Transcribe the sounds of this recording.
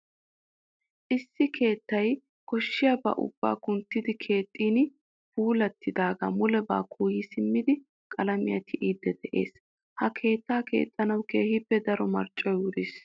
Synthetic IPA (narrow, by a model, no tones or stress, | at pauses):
ʔɪsːɪkʰe̞ːt̪ːɐj | kɔʃːɪjɐbɐ̰ʔʊ̰b̥ːa̰ːkʊnt̪ːɪd̪ɪkʰe̞ːt̪ʼːiːn | puːlɐt̪ːɪd̪aːɡɐmʊlɛba̰ːkʰuːjisɪmːɪd̪ɪ | kʼɐlɐmɪjɐt̪ʰɪʔiːd̪ːɛd̪ɛʔe̞̰ːs | hɐkʰe̞ːt̪ːaːke̞̰ːt̪ʼːɐnɐwke̞ːhɪpːɛd̪ɐɾɔmɐɾt͡ʃʼːɐjʊɾiːs